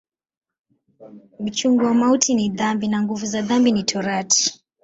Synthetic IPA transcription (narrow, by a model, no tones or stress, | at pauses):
m̩t͡ʃuŋɡuwamautʰiniðambinaŋɡuvuzaðambinitʰɔɾatʰi̥